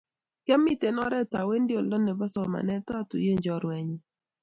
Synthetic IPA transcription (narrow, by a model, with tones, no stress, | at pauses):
kɛ˦mːi˦te˨nɔ˦ɾɛ˦ta˨we˦ndɪ˦o˨lɔ˦nɛ˨ba˦sɔ˨ma̰˨nɛ˦ta˦˨tṵ˨je˦˨ɲd͡ʒɔ˨ɾwɛ˨ɲi˨